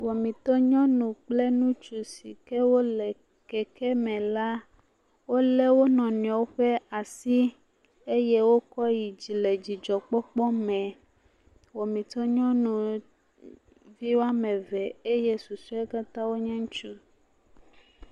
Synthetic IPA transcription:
wɔ˨mĩ˨t̪ɔ˦ɲɔ̃˦nũ˨k͡ple˦nũ˦t͡ʃu˨si˨kɛ˦wo˦lɛ˨ | kɛ˦kɛ˦mɛ̃˨la˦ | wo˦lɛ˦wo˦nɔ̃˨nĩ˨ɔ˨wo˦ɸe˦a˨si˦ | e˦je˦wo˦kɔ˦ji˨d͡ʑi˨le˨d͡ʑi˨d͡ʒɔ˨k͡pɔ˦k͡pɔ˦mɛ̃˨ | wɔ˨mĩ˨t̪ɔ˦ɲɔ̃˦nũ˨ | vi˦wo˦a˦mɛ̃˨vɛ˨e˦je˦su˨su˦e˦ka˦t̪ã˦wo˦ɲã˦ŋ̃˦t͡ʃu˦

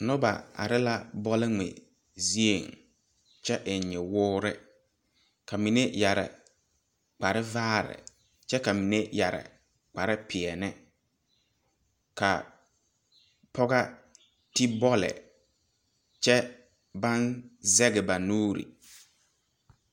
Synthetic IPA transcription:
nʊ˦ba̰˨a̰˨ɾɪ˦la˦bɔ˦lɪ˦ŋɪ̰˨ | zi˦e˨ŋ | t͡ʃɛ˦ʔɪ˨ɲɪ˨wʊː˦ɾɪ˦ | ka˨mi˨ne˦ja˨ɾɪ̰˨ | k͡pa˨ɾɪ˦vaː˦ɾɪ̰˨ | t͡ʃɛ˦ka˨mi˨ne˦ja˨ɾɪ̰˨ | k͡pa˨ɾɪ˦pʰɪ˨ɛ˨nɛ˦ | ka̰˨ | pʰɔ˦ɣa˦ | ti˦bɔ˦lɪ̰˨ | t͡ʃɛ˦ | ba˦nzɛ˦ɡɪ˨ba˨nuː˦ɾḭ˨

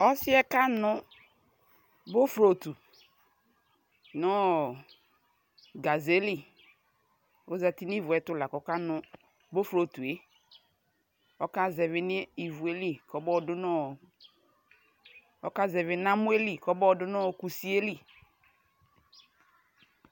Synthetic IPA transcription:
ɔ˦sɪ˦ɛ˦ka˦nʊ˦ | bo˦fɾo˨tu˨ | nɔ˦ | ɡa˨ze˦li˦˨ | o˦za˨ti˦ni˦˨vʊ˨ɛ˨tʊ˦la˨kɔ˨˦ka˦nʊ̃˨ | bo˦fɾo˨tu˨e˦ | ɔ˦ka˦zɛ˨vɪ˦nɪ˦i˨vu˨e˦li˦kɔ˨bɔ˦˨dʊ˦nɔ˦˨ | ɔ˦ka˦zɛ˨vɪ˨nã˦mu˦e˦li˦˨kɔ˦bɔ˦˨dʊ˦nɔ˦˨ku˨si˦e˦li˦

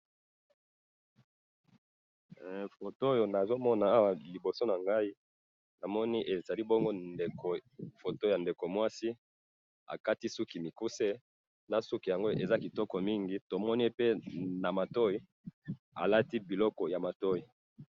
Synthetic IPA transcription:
fo˨to˦jo˨na˨zo˦mɔ˦na˨a˦wa˨li˨bo˨so˦na˨ŋɡa˦i˦ | na˨mɔ˦ni˦ʔe˨za˨li˦bɔ˦ŋɡo˦de˨ko˨fo˨to˦ja˨nde˨ko˨mwa˦si˦ | a̰˨ka˦ti˦su˦ki˨mi˨ku˦se˦ | na˨su˦ki˨ja˨ŋɡo˦e˨za˦ki˨tɔ˦kɔ˨mi˦ŋɡi˦to˨mɔ˦ni˦e˦pe˦na˨ma˨to˦i˦ | a̰˨la˦ti˦bi˨lɔ˦kɔ˨ja˨ma˨to˦i˨

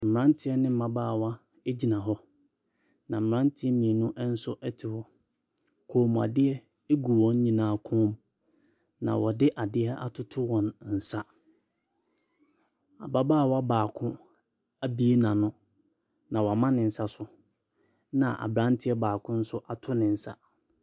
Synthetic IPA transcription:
m̩˨m˨ã˦n˦tʰɪ˦ɛ˦nɪ̃˦m̩˨mã˦baː˦˨wa˦ | e˦d͡ʑi˨nã˨ɦɔ˦ | nã˨m̩˨mɾã˦ntʰɪ˦ɛ˦mĩ˨e˨nʊ̃˦ʔɛ˦n̩˦sʊ˦ʔɛ˦tʰɪ˨wɔ˨ | kʰoː˨m̃˨a̰˨dɪ˦ɛ˦ | e˦ɡu˨wɔ̃˦n̩˦ɲĩ˦nãː˨˦˨kʰʊ̃˦m | nã̰˨wɔ˨dɪ˦ʔa˨dɪ˦ɛ˦ʔa̰˦tʰʊ˦tʰʊ˦wɔ̃˨nn̩˨sa˦ | a̰˨ba˦baː˦˨wa˦baː˨kʰʊ̃˦ | a˦bi˦e˦nã˨nʊ̃˦ | nã˨wɔ˨a˨mã˦nɪ̃˨n̩˨sa˦sʊ˨ | nã̰˨ʔa̰˨bɾã˦n˦tʰɪ˦ɛ˦baː˨kʰʊ̃˦n̩˦sʊ˦ʔa˨tʰʊ˦nɪ̃˨n̩˨sa̰˦

